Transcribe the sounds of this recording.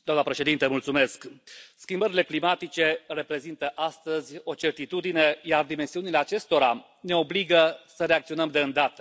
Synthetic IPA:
d̪oamnəpɾe̞ʃe̞d̪int̪əmult̪sume̞skskʲimbəɾile̞klimat̪it͡ʃe̞re̞pɾe̞zint̪əʔast̪əzʲo̞t͡ʃe̞rt̪it̪ud̪ine̞jard̪ime̞nsiunile̞at͡ʃe̞st̪o̞ɾa | ne̞o̞bliɡəsəɾe̞ak̚t̪sio̞nəmd̪e̞ɨnd̪at̪ə

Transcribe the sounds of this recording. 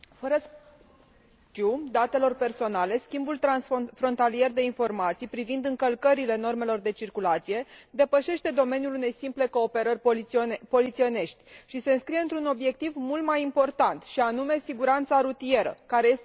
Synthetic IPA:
fəɾəs | t͡ʃud̪at̪e̞lo̞rpe̞rso̞nale̞skʲimbult̪ɾansfɾo̞nt̪alie̞rd̪e̞info̞rmat̪sijpɾivind̪ɨŋkəlkəɾile̞no̞rme̞lo̞rd̪e̞t͡ʃirkulat̪sije̞d̪e̞pəʃe̞ʃt̪e̞d̪o̞me̞nʲjulune̞jsimple̞ko̞ːpe̞ɾərʲpo̞lit̪sio̞ne̞ʃt̪ʲʃise̞ɨnskɾije̞ɨnt̪ɾuno̞bje̞k̚t̪ivmult̪majimpo̞rt̪ant̪ʃianume̞siɡuɾant̪saɾut̪ie̞ɾə̰kaɾe̞je̞s

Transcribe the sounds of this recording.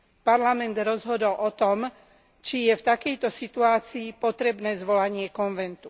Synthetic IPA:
paɾlamɛnd̪ɾɔzɦɔd̪ɔlʔɔt̪ɔm | t͡ʃijɛft̪akɛjt̪ɔsit̪uaːt͡siːpɔt̪ɾɛbnɛːzʋɔlaɲɪɛkɔnʋɛnt̪u̥

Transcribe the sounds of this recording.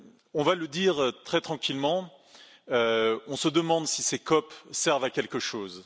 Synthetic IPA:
ɔ̃valəd̪iʁt̪χɛt̪χɑ̃kʲilmɑ̃ | øɔ̃səd̪əmɑ̃d̪sisekɔpsɛʁvakʲɛlkəʃoːz

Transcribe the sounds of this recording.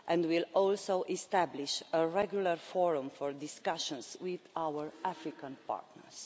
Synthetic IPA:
ʔɛ̃nd̪wilɔlsoʔɛst̪æbliʃəɹɛɡjulaɹfɔɹũmfɔɹd̪iskaʃə̃nswiðawəɹʔæfɾikãnpa̰ɹt̪nə̰ɹs

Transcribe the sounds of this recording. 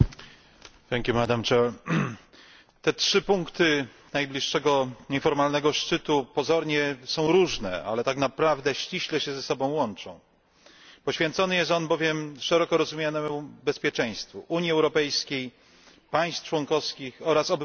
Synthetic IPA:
θɛŋkʲjumad̪amt͡ʂɛl | t̪ɛtʂɘpuŋkt̪ɘ | najblʲiʂːɛɡɔɲɛfɔɾmalnɛɡɔʂt͡ʂɘt̪upɔzɔɾɲɛsɔ̃w̃ɾuʐnɛ̰a̰lɛt̪aknapɾavd̪ɛɕt͡ɕiɕlɛɕɛzɛsɔbɔ̃w̃wɔnt͡ʂɔ̰̃w̃ | pɔɕfʲjɛnt̪sɔnɘjɛst̪ɔnbɔvʲjɛmʂɛɾɔkɔɾɔzumʲjanɛmubɛspʲjɛt͡ʂɛ̃j̃st̪fṵʔuɲjiɛwɾɔpɛjskʲej | paj̃st̪t͡ʂwɔŋkɔfskʲixɔɾasɔb

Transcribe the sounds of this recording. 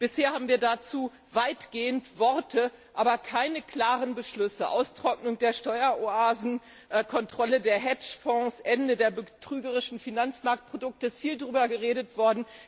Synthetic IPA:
b̥ɪsheːɐhaːbm̩viːɐdat͡suː | vaɪtɡ̥eːəntv̥ɔɐtʰəʔaːbɐkʰaɪnəkʰl̥aːʁənbəʃlʏsəʔa̰ʊstʁ̥ɔk̚nʊŋdeːɐʃtɔʏɐʔoʔaːzn̩ | ʔkʰɔntʁ̥ɔlədeːɐɦɛt͡ʃfɔ̃ːsʔɛndədeːɐbətʁ̥yːɡəʁɪʃn̩finant͡smaɐk̚t̚pʁ̥odʊk̚təɪsfiːldʁyːbɐɡəʁeːdətv̥ɔɐdn̩

